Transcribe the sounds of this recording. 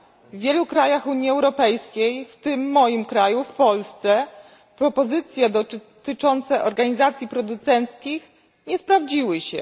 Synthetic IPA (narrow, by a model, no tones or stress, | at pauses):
vvʲjɛlukɾajaxuɲjiɛwɾɔpɛjskʲejft̪ɘmːɔjimkɾajufpɔlst̪sɛ | pɾɔpɔzɘt̪sʲjɛd̪ɔ | t̪ɘt͡ʂɔnt̪sɛʔɔɾɡaɲizat̪sʲjipɾɔd̪ut̪sɛnt̪skʲix | ɲɛspɾavd͡ʑiwɘɕɛ̰